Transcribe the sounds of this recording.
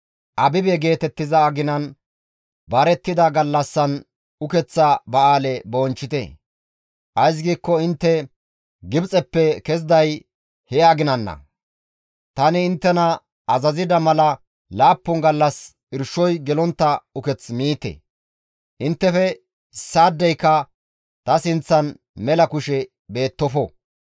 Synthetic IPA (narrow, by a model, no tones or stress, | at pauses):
ʔɐbɪbɛɡe̞ːt̪ɛt̪ːɪzɐːɡɪnɐn | bɐɾɛt̪ːɪd̪ɐɡɐlːɐsːɐn | ʊkɛt͡sːɐbɐaːlɛboːnt͡ʃːɪt̪ɛ̰ | ʔɐjs̬ɡiːkːɔɪnt̪ːɛ | ɡɪbt͡sʼɛpːɛkɛs̬d̪ɐj | hɛɐɡɪnɐnːɐ̰ | t̪ɐnɪːnt̪ːɛnɐ | ɐzɐzɪd̪ɐmɐlɐ | laːpːʊŋɡɐlːɐs | ɪɾʃɔjɡɛlɔnt̪ːɐʊkɛt͡smiːt̪ɛ̰ | ʔɪnt̪ːɛfɛ | saːd̪ːɛjkːɐ | t̪ɐsɪnt͡sːɐn | mɛlɐkʊʃɛ | be̞ːt̪ːɔfɔ